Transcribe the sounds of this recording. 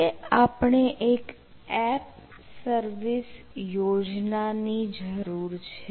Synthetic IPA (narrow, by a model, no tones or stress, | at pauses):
eapɳeʔek | ɛp̚ | səɾʋis | jod͡ʒnanid͡ʒəɾuɾt͡ʃʰe